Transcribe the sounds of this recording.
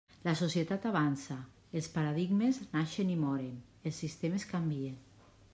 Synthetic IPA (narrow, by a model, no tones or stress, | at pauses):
lasosjet̪at̪aβ̞ansa | elˠspaɾaðiɡmeznaʃenimɔɾen | elˠsːist̪emeskambien